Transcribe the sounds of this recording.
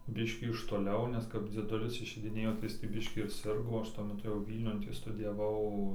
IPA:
ˈbʲɪʃʲkʲiː ɪʃ toːˈlʲɛʊ ˈnʲɛs kɐp d͡zʲiɛˈdʊlʲɪs ɪʃʲɛɪdʲɪˈnʲeːjoː tɐɪ ˈjɪs tʲiː ˈbʲɪʃʲkʲiː ɪr ˈsʲɪrɡoː ˈɐʃ tuɔ mʲɛˈtʊ jɛʊ ˈʋʲiːlʲnʲʊn ˈtʲiː stʊdʲɪjɛˈʋɐʊ

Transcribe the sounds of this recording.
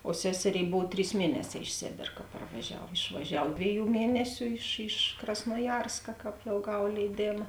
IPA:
oː ˈsʲæːsʲɛˌrʲeːɪ ˈboːw ˈtʲrʲiːs ˈmʲiɛnʲɛˌsʲɛː ɪʃ ˈsʲeːbʲeːr kɐ pɐrʋɐˈʒʲɛw ɪʃʋɐˈʒʲɛw ˈdʲʋʲeːˌjuː ˈmʲiɛnʲɛsʲʊ ɪʃ ɪʃ krɐsnuɔˈjɛrskɐ ˈkɑːp jɛʊ ˈɡɐw lʲɛɪˈdʲeːmɐ

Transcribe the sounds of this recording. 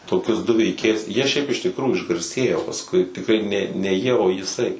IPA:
toːˈkʲʊs dʊ ʋʲɛɪˈkʲeːjʊs ˈjiɛ ʃʲɛɪp ɪʃ tʲɪkˈruːjuː ɪʒɡɐrʲˈsʲeːjoː pɐsˈkʊɪ tʲɪkˈrɐɪ ˈnʲɛ nʲɛ ˈjiɛ oː jɪˈsɐɪ

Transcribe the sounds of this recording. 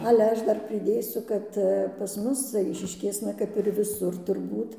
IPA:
ˈɑːlʲɛ ˈɐʃ ˈdɐr pʲrʲɪˈdʲeːsʲʊ kɐt pɐs ˈmʊs ˈɐɪʃʲɪʃʲkʲeːsnɐ kɐp ɪr ʋʲɪˈsʊr tʊrˈbuːt

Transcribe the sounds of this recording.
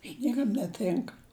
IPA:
ɪ ˈnʲiɛkɐm nʲɛˈtʲɪŋkɐ

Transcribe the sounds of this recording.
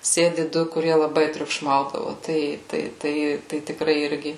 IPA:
ˈsʲeːdʲɪ ˈdʊ kʊˈrʲiɛ lˠɐˈbɐɪ tʲrʲʊkˈʃmɐʊdɐʋoː ˈtɐɪ ˈtɐɪ ˈtɐɪ ˈtɐɪ tʲɪˈkrɐɪ ˈɪrʲɡʲɪ

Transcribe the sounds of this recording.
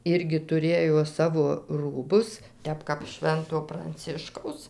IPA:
ˈɪrʲɡʲɪ tʊˈrʲeːjoː ˈsɑːʋoː ˈruːbʊs ˈtʲɛp kɐp ˈʃʲʋʲɛntoː prɐnʲˈt͡sʲɪʃkɐʊs

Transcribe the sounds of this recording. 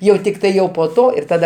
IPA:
jɛʊ ˈtʲɪktɐɪ jɛʊ poː ˈtoː ɪr ˈtɑːdɐ

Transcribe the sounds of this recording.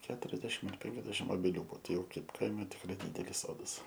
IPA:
ˈkʲæːtʊrʲɛzʲdʲɛʃʲɪm ɐr ˈpʲɛŋʲkʲɛzʲdʲɛʃʲɪm oːbʲɛˈlʲuː ˈbuɔ ˈtɐɪ ˈjɛʊ ˈkɐɪp ˈkɐɪmʲɛ tʲɪkˈrɐɪ ˈdʲɪdʲɛlʲɪs ˈsoːdɐs

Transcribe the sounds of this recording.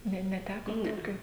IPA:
ˈnʲɛ nʲɛˈtʲæːkoː ˈtoːkʲoː

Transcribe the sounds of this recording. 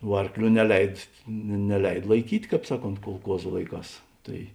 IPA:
ʋuɔ ˈɐrkˌlʲuː nʲɛˈlʲɛɪt nʲɛ nʲɛˈlʲɛɪt lˠɐɪˈkʲiːtʲ ˈkɑːp ˈsɑːˌkoːnt kʊlˠˈkuɔzʊ ˈlˠɐɪˌkɑːs ˈtɐɪ

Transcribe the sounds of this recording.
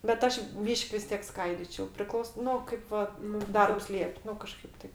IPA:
bʲɛt ˈɐʃ ˈbʲiːʃʲkʲ ʋʲɪs ˈtʲiɛk ˈskɐɪdʲiːt͡ʃʲɛʊ pʲrʲɪˈklˠɐʊs ˈnʊ ˈkɐɪp ʋɐ nʊ ˈdɐrps ˈlʲiɛpʲ ˈnʊ kɐˈʃkɐɪp ˈtɐɪp

